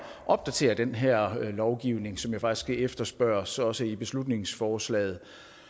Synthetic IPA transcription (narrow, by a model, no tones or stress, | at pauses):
ʔɒ̽b̥̚d̥æt͡sʰe̝̰ːɐd̥enɦɛɐ̰lɒʊɡ̥iʊne̝ŋsɒ̽mjɑ̈fɑ̈ɡ̥i̥sɡ̥æefd̥ɐsb̥ɶɐsɒ̽səib̥e̝slud̥ne̝ŋsfɒːslɛ̰ːð̩ˠ